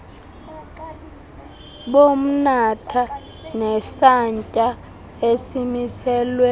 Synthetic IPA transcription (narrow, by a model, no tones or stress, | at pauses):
ɓom̩natʰa | nɛsaɲcʼa | esimisɛːlwɛ